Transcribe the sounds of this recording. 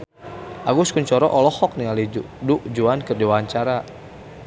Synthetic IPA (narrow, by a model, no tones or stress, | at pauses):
ʔaɡuskuɲt͡ʃɔɾɔʔɔlɔhɔk̚niŋali | duʔd͡ʒuankərdiwaaɲt͡ʃaɾa